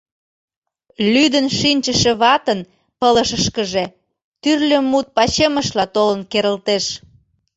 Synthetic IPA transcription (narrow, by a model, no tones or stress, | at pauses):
lyd̪ənʃinʲt͡ɕəʃĕβɑt̪ən | pələʃəʃkəʒe | t̪yrlømːut̪̚pɑt͡ɕeməʃlɑt̪olənkeɾəlt̪eʃ